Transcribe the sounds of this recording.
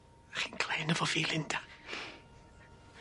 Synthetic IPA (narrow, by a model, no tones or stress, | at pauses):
χinkʰlɛːnəvɔviːlɪnd̥a